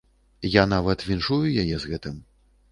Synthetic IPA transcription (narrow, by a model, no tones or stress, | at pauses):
janavɐt̪vʲinʂujujajɛzɣɛt̪ɨm